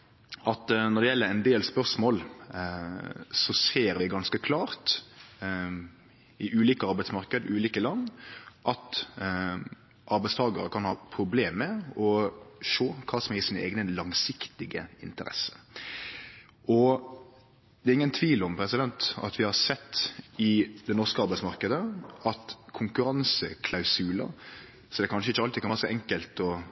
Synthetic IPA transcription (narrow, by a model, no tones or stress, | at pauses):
ʔɑt̪nɔɾd̪ɛjɛlːəɾɛɪnd̪eːlspœʁsmoːl | sɔseːɾʋɪɡɑnskəkʰlɑːɾt̪ | ɪʔʉːliːkəɑɾbæɪt̪smɑʁkəd̪əʉːliːkəlɑnːʔɑt̪ | ʔɑɾbɛɪst̪ʰɑːɡəɾəkʰɑnhɑːpʰɾʊbleːmːɛɔʂoːkʰɑːsɔmɛsiːnəḛːɡnəlɑŋsɪkt̪ɪɡə̰ɪ̰nt̪əɾɛ̰sə̥ | ʔɔ | d̪ɛːɾɪŋːənt̪ʰʋiːlɔmpʰɾɛsɪd̪ɛnt̪ɑ̰t̪ʋɪhɑɾsɛt̪ːɪd̪ɛnɔɾskəɑɾbæɪsmɑɾkəd̪əɑt̪kʰʊŋkʉɾɑnsəkʰlɑʉsʉːlə̰ | sɔd̪ɛkʰɑnʃəɪçːəɑlt̪ɪkɑnɾsɔʔɛŋkəlt̪ɔ